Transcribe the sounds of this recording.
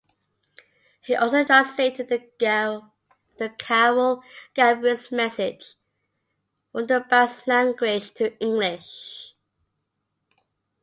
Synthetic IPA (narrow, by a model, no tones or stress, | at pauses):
hiʔɔlˠsoʊdãnsleɪtɪd̪̚ðə | ðəkʰɛwəlˠd̥abəsmɛsɪ̥d͡ʒ | ə̃nðəbɛslæ̃ŋɡwɪd̥ʒ̥tʰəɪ̃ŋɡlɪʃ